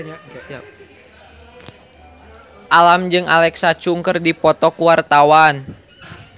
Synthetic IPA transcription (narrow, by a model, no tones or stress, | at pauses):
ʔalamd͡ʒɨŋa̰lɛksat͡ʃuŋkərdipɔt̪ɔkuwart̪awan